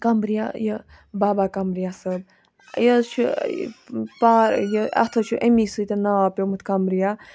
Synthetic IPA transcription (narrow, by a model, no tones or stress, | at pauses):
kɐmbɾija̰jə | baːbaːkɐmɾijasəb | jət͡ʃʰu | paːɾjəɐ̰t̪ʰət͡ʃʰuʔemisɨt̪ɐnɐʋaːpʲjomɨt̪ʰkɐmbɾija